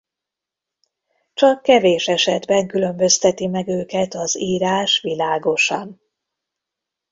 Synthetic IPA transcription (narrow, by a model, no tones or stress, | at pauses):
t͡ʃɒkːɛveːʃɛʃɛd̪bɛŋkylø̞mbø̞st̪ɛt̪imɛɡøːkɛt̪ɒziːɾaːʃʋilaːɡo̞ʃɒn